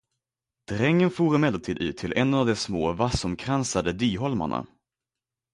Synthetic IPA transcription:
d̪̥ɾɛŋːənfuːɾɪmɛlat̪ʰiːd̪ʉ̟ːt̪ʰːɪlʔɛnːavd̪ɛsmoːvasɔmkʰɾansad̪əd̪yːɦɔlma̰ɳa̰

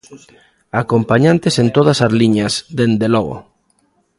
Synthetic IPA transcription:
akompaɲãnt̪esent̪oð̞asazliɲasd̪end̪eloɣ̞o̰

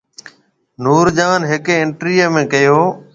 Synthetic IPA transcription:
nuːɾd͡ʒaːnɦɪkeːɪɳʈɾiːəmẽːkəjoː

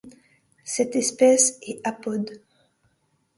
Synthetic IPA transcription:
sɛt̪ɛspɛsɛapɔd̪

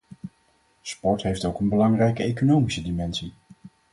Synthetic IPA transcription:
spɔɹtɦejftowkənbəlɑŋrɛjkəejkonowmisədimɛnsi

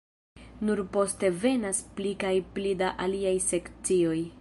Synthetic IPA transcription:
nuɾpo̞ste̞ve̞nasplikajplidaʔaliajse̞kt͡sio̞j

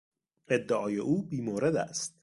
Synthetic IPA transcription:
ed̪ːeʔɒːjeʔuːbiːmoːɾed̪æ̰st̪̚

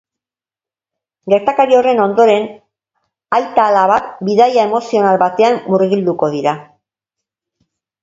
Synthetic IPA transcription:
ɡe̞ɾt̪akaɾio̞re̞no̞nd̪o̞ɾe̞n | ajt̪aːlaβat̪biðajae̞mo̞sio̞nalβat̪e̞ammuriɣild̪uko̞ð̞iɾa

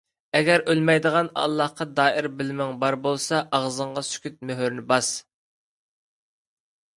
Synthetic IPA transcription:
ɛɡʲɛɾʔølmɛjd̪əʁɑnɑ̰lˠːɑhqɑd̪ɑːɪɾbɪlmɪŋbɑɾbolˠsɑʔɑʁzɨɴʁɑsy̥kʲyt̪̚møɦyɾnɪbɑs

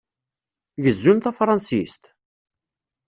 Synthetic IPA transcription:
ʝəzːunθæfɾˤɑnsist̪

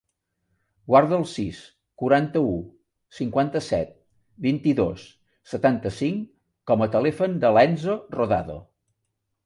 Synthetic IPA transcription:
ɡwaɾðəəlˠsis | kuɾant̪əu | siŋkwant̪əsɛ̰t̪̚ | bint̪iðo̰sː | ət̪ant̪əsiŋ | kɔmət̪əlɛfənd̪əlɛnzoroða̰ðo̰

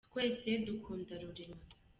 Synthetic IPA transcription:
kwe̞ːsedukʰuːndaɾuɾiɾwa

